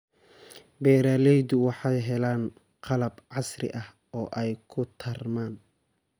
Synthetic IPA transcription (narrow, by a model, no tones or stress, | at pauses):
bɛːɾaːlɛjd̪ʊwɑħɑjɦɛlaːn | qʰɑlɐbʕɑsrɪ̰ʔɐh | ɔːʔɛjkʰʊt̪ʰɐrmaːn